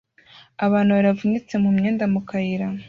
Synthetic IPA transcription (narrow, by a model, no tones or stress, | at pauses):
aβaːnhuβaɾavuɲit͡se̞mumɲeːndamukajiɾa